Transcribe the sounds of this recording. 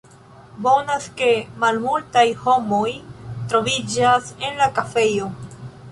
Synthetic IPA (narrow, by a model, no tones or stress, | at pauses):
bo̞naske̞malmultajho̞mo̞jtɾo̞vid͡ʒase̞nlakafe̞jo̞